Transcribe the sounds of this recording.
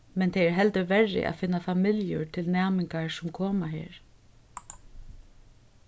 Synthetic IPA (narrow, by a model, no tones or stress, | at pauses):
mɛnt̪ʰɛɛɹɦɛlt̪əʋɛrːɪ̰ʔa̰fɪnːafamɪljʊ̰ɹt̪ʰɪlnæːmɪŋkaɹsʊmkʰoːmaɦḛːɹ